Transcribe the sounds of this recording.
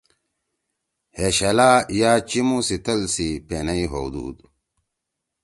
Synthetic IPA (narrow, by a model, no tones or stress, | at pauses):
heɕɐlaːjaːt͡ɕimusit̪ɐlsipenɐiɦowd̪ṵːd̪